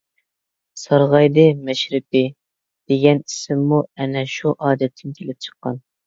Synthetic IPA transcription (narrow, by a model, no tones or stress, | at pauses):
sɑɾʁɑjd̪ɨmɛʃɾɪp̚ɪ | d̪̥eɡʲɛnisɪmːuɛnɛʃuʔɑːd̪ɛt̪ʰːɪnkʲʰelɪp̚t͡ʃʰə̥qːɑ̰n